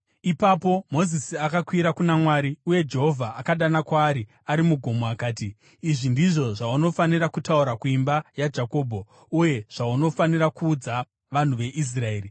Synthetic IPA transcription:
ipapo̞mo̞zisiakakwiɾakunamwaːɾiuje̞d͡ʒe̞ɦo̞vʱaːkaɗanakwaːɾi | aɾimuɡʱo̞mo̞akaːtiː | ʐindiʐo̞ʐauno̞faniɾakutauɾakuimbajad͡ʒako̞ːbʱo̞ | uje̞ʐ̥auno̞faniɾakuːd͡za | ʋan̤uʋe̞ʔis̬rae̞ːri

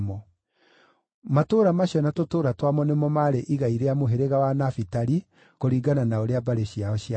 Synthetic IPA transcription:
mɔ | matoːɾamaɕiɔnatotoːɾatwamɔnemɔmaɾeʔiɣaiɾeamoɦeɾeɣawanafitaɾi | koɾiːɡananaoɾeabaɾeɕiaɔɕia

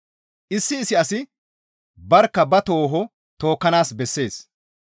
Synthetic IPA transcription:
ʔɪsːɪːsɪɐsɪ | bɐɾkːɐbɐt̪o̞ːɦɔ | t̪o̞ːkːɐnaːsbɛsːe̞ːs

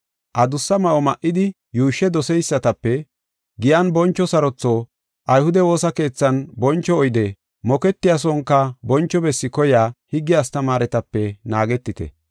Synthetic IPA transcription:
ʔɐd̪ʊsːɐmɐʔɔmɐʔːɪd̪ɪ | juːʃːɛd̪ɔsɛjsːɐt̪ɐpːɛ | ɡɪjɐnbɔnt͡ʃːɔsɐɾɔt͡sːɔ | ʔɐjhʊd̪ɛwo̞ːsɐke̞ːt͡sːɐnbɔnt͡ʃːɔːjd̪ɛ | mɔkɛt̪ːɪjaːs̬ɔŋkːɐbɔnt͡ʃːɔbɛsːɪkɔjaːhɪɡːɪjast̪ɐmaːɾɛt̪ɐpːɛnaːɡɛt̪ːɪt̪ɛ̰

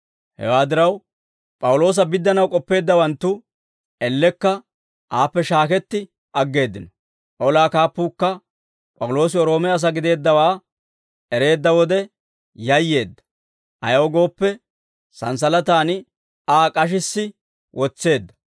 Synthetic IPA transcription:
hɛ̰waːd̪ɪɾɐw | pʼɐwʊlo̞ːs̬ɐbɪd̪ːɐnɐwkʼɔpːe̞ːd̪ːɐwɐnt̪ːʊ | ɛlːɛkːɐ | ʔaːpːɛʃaːkɛt̪ːɪ | ʔɐɡːe̞ːd̪ːɪnɔ | ʔɔlaːkaːpːuːkːɐ | pʼɐwʊlo̞ːs̬ɪɔɾo̞ːmɛɐs̬ɐɡɪd̪e̞ːd̪ːɐwaː | ɛɾe̞ːd̪ːɐwɔd̪ɛ | jɐjːe̞ːd̪ːɐ̥ | ʔɐjɐwɔɡo̞ːpːɛ | sɐns̬ɐlɐt̪aːnɪ | aːkʼɐʃ̬ɪsːɪ | wʔɔt͡sːe̞ːd̪ːɐ̥

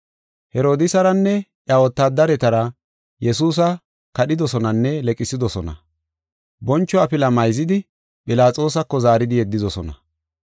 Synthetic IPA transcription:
hɛɾo̞ːd̪ɪsɐɾɐnːɛʔjawɔt̪ːaːd̪ɐɾɛt̪ɐɾɐ | jɛsuːs̬ɐ | kɐɗɪd̪ɔsɔnɐnːɛlɛkʼːɪsɪd̪ɔsɔnɐ̰ | bɔnt͡ʃːɔɐpɪlɐmɐjzɪd̪ɪ | pɪlaːt͡sʼo̞ːsɐkːɔzaːɾɪd̪ɪjɛd̪ːɪzɔsɔnɐ̰

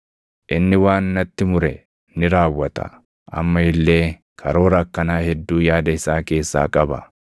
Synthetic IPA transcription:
ʔɪnːɪwaːnːɐt̪ːɪmʊɾɛ | nɪɾaːwːɐt̪ɐ̰ | ʔɐ̰mːɐɪlːe̞ː | kʰɐɾoːɾɐkːɐnaːhɛd̪ːuːjaːd̪ɐɪsːaːke̞ːsːa̰ːkʼɐbɐ̰

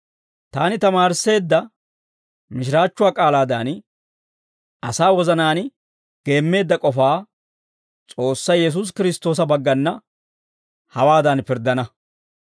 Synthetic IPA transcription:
t̪aːnɪt̪ɐmaːɾsːe̞ːd̪ːɐ | mɪʃ̬ɪɾaːt͡ʃːʊwaːkʼaːlaːd̪aːn | ʔɐsaːwɔzɐnaːn | ɡ̥e̞ːmːe̞ːd̪ːɐkʼɔfaː | t͡sʼo̞ːsːɐjjɛs̬us̬kɪɾɪst̪o̞ːsɐbɐɡːɐnːɐ | hɐwaːd̪ɐnpɪɾd̪ːɐnɐ

